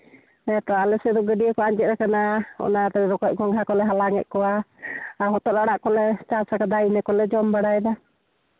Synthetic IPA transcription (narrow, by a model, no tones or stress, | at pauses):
ɛt̪ɔalɛsɛd̪ɔɡəɖijəkɔaɲd͡ʒɛt̪̚ɾakanaɔ̰naɾɛɾɔkɔc̚ˀɡɔŋɡʱakɔlɛɦalaŋɛ̰ʔ̚kɔwaaɦɔt̪ɔʔlaɽaʔkɔlɛt͡ʃasakad̪ainɛkɔlɛd͡ʒɔmbaɽajd̪a